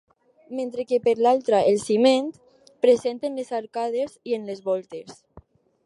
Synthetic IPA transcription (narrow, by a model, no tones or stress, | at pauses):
mẽnt̪ɾekepeɾlalˠt̪ɾaʔelsiment̪ | pɾezent̪enlezaɾkað̞ezienlezβɔlt̪es